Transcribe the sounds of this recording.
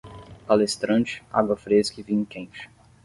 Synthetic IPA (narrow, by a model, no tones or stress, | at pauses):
palest̪ɾɐ̃t͡ʃɪ̥a̰ɡwɐfɾeskɪvĩŋkẽnt͡ʃɪ̥